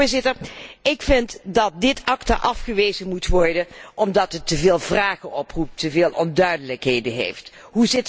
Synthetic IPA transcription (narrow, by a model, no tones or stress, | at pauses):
ɹzɪtəɹɪkfɪntdɑt̚dɪtʰɑkta̰ʔɑfχəʋeːzəmutʋɔɹdəʔɔmdɑtətːəveːlˠvraːχənʔɔprup̚təvɪːlˠʔɔndœɥdələkɦejdənɦḛjft | ɦuzɪt